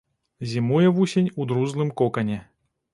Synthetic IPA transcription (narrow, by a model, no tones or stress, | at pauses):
zʲimujɛvusʲenʲud̪ɾuzlˠɨmkɔkɐnʲɛ